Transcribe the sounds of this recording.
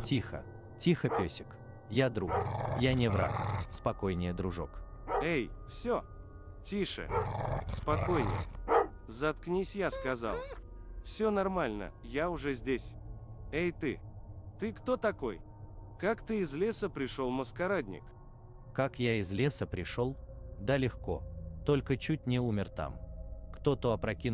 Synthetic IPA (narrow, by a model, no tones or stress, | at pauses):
tʲixə̰ | tʲixəpʲesʲɪk | jad̪ɾukjanʲɪvɾa̰kspɐkojnʲɪjəd̪ɾʊʐo̰kejfsʲo | tʲiʂɨ̰spɐko̞jnʲɪ̰j̰ | zɐt̪knʲisʲjaskɐza̰lˠ | fsʲonɐrmalʲnə̰jaʊʐɛzʲdʲesʲejt̪ɨ̰t̪ɨkt̪o̞t̪ɐko̞̰j | kakt̪ɨɪzlʲesəpɾʲɪʂo̞lˠməskɐɾad̪ʲnʲɪ̰k | kakjaɪzlʲesəpɾʲɪʂolˠd̪alʲɪxko̰t̪olʲkət͡ɕut̚ʲnʲɪumʲɪrt̪a̰mkt̪ot̪oɐpɾɐkʲi